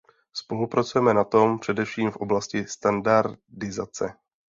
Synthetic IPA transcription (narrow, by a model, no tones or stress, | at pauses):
spo̞lupɾat͡sujɛmɛnat̪o̞mpr̝̥ɛdɛfʃiːmfʔo̞blascɪst̪andaɾdɪzat͡sɛ̰